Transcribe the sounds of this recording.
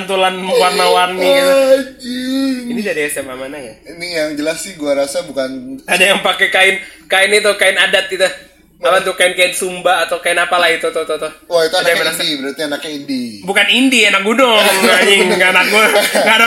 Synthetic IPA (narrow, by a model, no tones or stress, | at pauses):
nt̪ulanwarnawarniit̪iinid͡ʒadiɛsɛmamanajainijaŋd͡ʒəlasːɪhɡuaɾasabukanadajaŋpakɛkaɪnkaɪnit̪ʊkaɪnadat̪̚it̪u | malant̪ukaɪnkajat̪̚sumbaːt̪awkaɪnapalait̪ɔt̪ɔt̪ɔt̪ɔwait̪uadajaəɾasibəɾat̪ianakindibukanindianak̚ɡudɔŋaiŋɡanak̚ɡuŋɡada